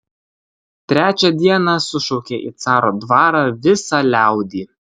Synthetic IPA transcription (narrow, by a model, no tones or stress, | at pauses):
t̪ʲɾʲæːt͡ʃʲɛd̪ʲiɛnɑsʊʃɔʊkʲeːʔḭt̪sɑːɾoːd̪ʋɑːɾɑːʋʲɪsɑːlʲæˑʊd̪ʲiː